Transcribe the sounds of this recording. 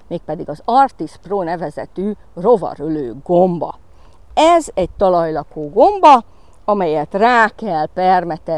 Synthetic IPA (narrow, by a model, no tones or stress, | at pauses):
meːk̚pɛd̪iɡɒzɒrt̪iʃproːnɛvɛzɛ̰t̪yː | ro̞vɒ̰ɾøløːɡombɒ̰ | ɛzɛɟ̚t̪ɒlɒjlɒkoːɡo̞mbɒ | ɒmɛjɛt̪raːkɛlpɛrmɛt̪ɛ